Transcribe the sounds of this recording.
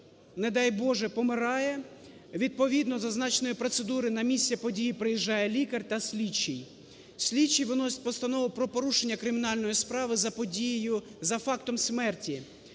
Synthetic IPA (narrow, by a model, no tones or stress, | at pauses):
ned̪ɑjbɔʒɛpɔmɪɾɑjɛ | ʋʲid̪̚pɔʋʲid̪nɔzɐznɑt͡ʃnɔjʊpɾɔt̪sed̪uɾɪnɐmʲisʲtʲːɐpɔdʲijipɾɪjiʒːɑjɛlʲikɐrt̪ɐsʲlʲit͡ʃːij | sʲlʲit͡ʃːijʋɪnɔsʲɪ̥t̚ʲpɔst̪ɐnɔʋʊpɾɔpɔɾuʃenʲːɐkɾɪmʲinɑlʲnɔjispɾɑʋɪzɐpɔdʲijɪjʊzɐfɑkt̪ɔmsʲmɛrtʲi